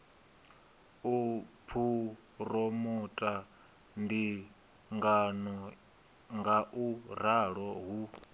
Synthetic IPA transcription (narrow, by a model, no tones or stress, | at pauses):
upʰu | rɔmɔtʼa | ndi | ŋɡanɔ | ŋɡaʔuɾaɺɔɦu